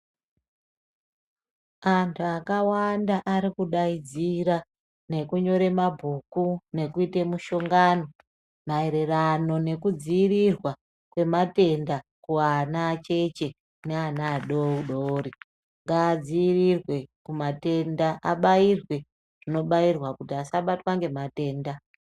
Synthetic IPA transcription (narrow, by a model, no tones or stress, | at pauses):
antʰuakawandaʔaɾikuɗaid͡ziɾa | ne̞kuɲo̞ɾe̞mabʱukune̞kuitemuʃo̞ŋɡano̞ | maeɾe̞rano̞ne̞kud͡ziːrirwa | kwe̞mate̞ndakuanat͡ʃe̞t͡ʃe̞ | neanaːɗoɗoːɾi | ŋɡaːd͡ziːrirwe̞kumate̞ndaʔaɓairwe̞ | ʐ̥ino̞ɓairwakutiasaɓatwaŋɡe̞mate̞ːnda